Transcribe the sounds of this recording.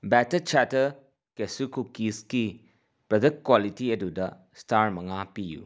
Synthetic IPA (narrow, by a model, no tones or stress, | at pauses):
bɛtɐt͡ʃatɐ | kesukukiski | pɾɐdɐk̚kːwalitiɐdudɐ | staɾmɐŋapijṵ